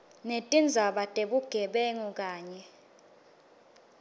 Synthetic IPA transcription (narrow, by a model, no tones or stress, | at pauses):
netʼind͡zʱaɓatʼeɓuɡ̥ʱɛɓɛŋuk̬ʼaːɲɛ